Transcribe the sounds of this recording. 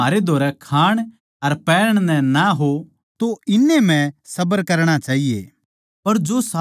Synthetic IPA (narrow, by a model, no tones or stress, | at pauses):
aːɾed̪ʱoːɾɛkʰaːɽ̃ | ɐɾpɛːəɽ̃nɛ̃naɦo | t̪oɪnːem̤ɛ̃sɐbəɾkɐɾɽ̃at͡ʃaːɦije | pɐɾd͡ʒosa